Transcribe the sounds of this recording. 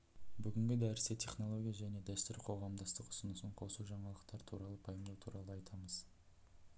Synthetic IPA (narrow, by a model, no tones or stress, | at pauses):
bʏɡʲɪŋɡʲɪd̪æɾɪset̪ʰe̞χno̞lˠo̞ɡʲijaʒæne̞d̪æst̪ʏɾqʰo̞ʁɑmd̪ɑst̪əqʊ̥sənəsəɴqʰo̞suʒɑɴɑlˠəqt̪ɑɾt̪ʰuɾɑlˠəpʰɑjəmd̪ɑwt̪ʰuɾɑlˠəɑjt̪ʰɑməz̥